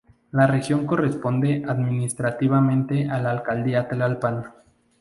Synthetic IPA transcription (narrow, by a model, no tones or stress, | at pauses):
lare̞xjo̞ŋko̞respo̞nd̪e̞ʔaðmĩnist̪ɾat̪iβamẽ̞nt̪e̞ʔalaːlkald̪iat̪elalpan